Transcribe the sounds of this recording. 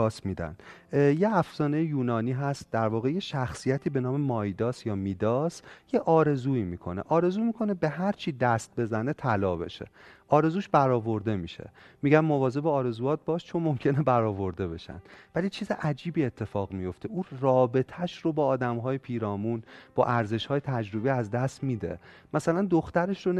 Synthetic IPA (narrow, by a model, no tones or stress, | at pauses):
ɒːsmiːd̪æ̰nd̪̥ | jeæfzɒːnejejuːnɒːniːɦæst̪̚d̪æɾvɒːɣe̞je̞ʃæxsijæt̪ʰiːbe̞nɒːme̞mɒjd̪ɒːsjɒːmiːd̪ɒːsje̞ʔɒːɾe̞zuːiːmiːkʰo̞ne̞̰ʔɒːɾe̞zuːmiːkʰo̞nebe̞ɦæɾt͡ʃʰiːd̪æst̪̚be̞zæne̞t̪ʰælɒːbe̞̰ʃe̞̰ʔɒːɾe̞zuːʃbæɾɒːvo̞ɾd̪e̞miːʃe̞̰miːɟænmːovɒːze̞beːɾe̞zuːjɒːt̪̚bɒːʃt͡ʃʰo̞nmo̞mcʲʰe̞nebæɾɒːvo̞ɾd̪e̞βe̞̰ʃæ̰nd̪vælit͡ʃʰiːzeʔæd͡ʒiːbiːet̪ʰːe̞fɒːɣmijo̞ft̪ʰe̞ʔuːrɒːbe̞t̪ʰæʃro̞bɒːd̪æmɦɒːjepʰiːɾɒːmuːnb̥ɒ̰ːʔæɾze̞ʃhɒːjet̪ʰæd͡ʒɾobiæzd̪æst̪miːd̪e̞̰ | mæsælænd̪oxt̪æɾe̞ʃro